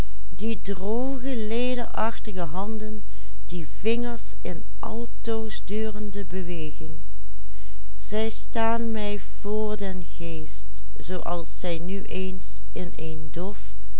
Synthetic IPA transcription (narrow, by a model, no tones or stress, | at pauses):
didroːɣəleːdəɹʔɑχtəɣəɦɑndən | divɪŋəɹs | ɪn | ʔɑ̰lˠt | owsdyːrəndəbəʋeːɣɪŋ | z̥ɛjstaːnmɛj | v̥oːɹdənɣeːst | z̥owʔɑlˠsːɛjnyʔens | ɪnejndɔf